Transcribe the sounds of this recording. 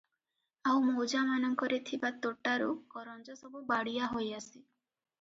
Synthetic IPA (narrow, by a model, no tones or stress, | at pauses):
awmowd͡ʒamanɔŋkɔɾet̪ʰibat̪oʈaɾukɔɾɔnd͡ʒɔsɔbubaɽijaɦojasi